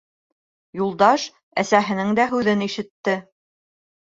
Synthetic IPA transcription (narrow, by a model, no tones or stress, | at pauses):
julˠd̪ɑʃ | æsæɦɘ̆nɘŋd̪æɦʉðɘniʃɘ̆t̪ːɘ